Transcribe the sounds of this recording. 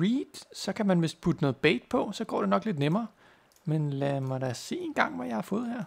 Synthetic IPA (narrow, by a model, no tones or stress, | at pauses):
ʁiːd̥sɒ̽kʰæmænʋe̝spʰud̥ənɔ̽ːð̩ˠb̥eɪd̥̚pʰɒ̽sɒ̽ɡ̥ɒ̰ːd̥e̝nɒ̽ɡ̥le̝d̥nemɐː | menlæmɑɾæse̝̰ːe̝ːnɡ̥ɑ̈ŋ̰ʋæjɑ̈ɪhɑ̈fɔ̽ːð̞̩ˠheɐ̰